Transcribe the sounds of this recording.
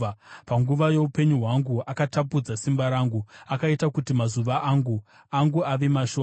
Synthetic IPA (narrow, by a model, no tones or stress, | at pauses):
paŋɡuʋaje̞upe̞ɲuɦwaŋɡuakatap̬ud͡zasimbaɾaːŋɡuakaitakutimazuʋaʔaŋɡu | aŋɡuaʋe̞maʃoː